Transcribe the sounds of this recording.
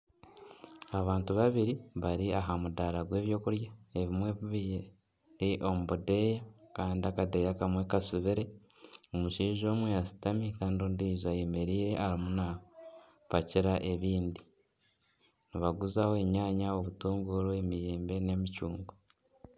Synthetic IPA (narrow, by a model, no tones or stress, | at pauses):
aβaːntuβaβiɾiβaɾiaɦamudaɾaɡwe̞ːβjo̞ːkuɾjae̞βimweββi | ɾiʔo̞muβude̞jakaːndiakade̞jakamwekasuβiɾe̞ | omuʃiːʒo̞ːmwejasi̥tamikaːndioːndiːzajemeɾiːɾe̞ʔaɾimuna | paciɾaʔe̞βiːndi | niβaɡuzawoeɲaːɲao̞βutuːŋɡuɾoemijeːmbe̞ne̞micuːŋɡo